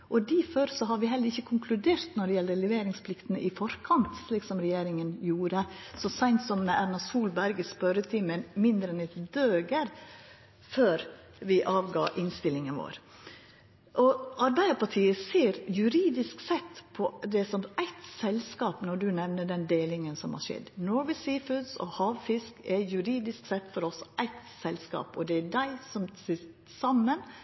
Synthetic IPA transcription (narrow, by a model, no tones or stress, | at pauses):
ʔɔd̪iːføɾsɔɦɑɾʋɪɦɛlːəɾɪçːəkʰʊŋkʰlʉd̪eːɾt̪nɔɖɛjɛlːəlɛʋeːɾɪŋspʰlɪkt̪ənəʔɪfɔɾkʰɑnt̪ʂliːksɔmɾɛjeːɾɪŋənjuːɾəsɔsæɪnt̪sɔmːɛʔæɾnɑsuːlbæɾɡəspœɾət̪ʰɪmɛmɪnd̪ɾɛnɛt̪d̪øːɡəɾ | føːɾ | ʋɪʔɑːʋɡɑ̰ːʔɪnst̪ɪlːɪŋənʋo̰ːɾ | ʔɔɑɾbæɪəpʰɑʈʰiːəseːɾjʉɾiːd̪ɪsksɛt̪pʰɔd̪ɛsɔmæɪt̪sɛlskɑːpnɔɖʉnɛʋnəɖɛnd̪eːlɪŋənsɔmhɑ̰ʂɛ̰d̪nɔɾʋɪsiːfʉd̪sɔ̰hɑːʋfɪskɛjʉɾiːd̪ɪsksɛt̪ːfɔɾɔsɔʔæɪt̪sɛlskɑ̰ːpɔd̪ɛædæɪsɔmsɪt̪ | sɑmːən